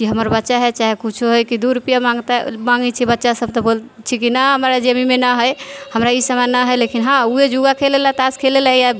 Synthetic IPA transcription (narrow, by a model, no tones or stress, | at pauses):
kiɦəməɾbətːʃaɦɛt͡ʃaɦekut͡ʃʰuɦojkid̪uɾupijamaŋɡt̪amãŋɡɛt͡ʃʰibətːʃasəb̚t̪ɔbol | t͡ʃʰikinəɦəmɾad͡ʒəmimenəɦəjhəmɾaisəmanəɦəjlekinɦãued͡ʒuɡakʰelelat̪askʰelelaɦja